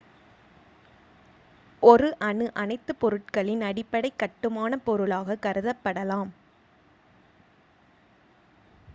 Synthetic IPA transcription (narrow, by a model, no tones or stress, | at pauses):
ɔɾɯʔɐɳɯʔɐnɐɪt̪ːɯpɔɾɯʈ̚kɐɭɪnɐɽɪpːɐɽɐɪkːɐʈːɯmaːnɐpɔɾɯɭaːɣɐkɐɾɯðɐpːɐɽɐlaːm